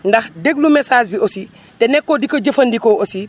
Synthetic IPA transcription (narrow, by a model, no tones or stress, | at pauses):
ndɐxdeɡ̚lumesaːsbiosi | tenɛkːodikoɟɐfɐndikoʔosi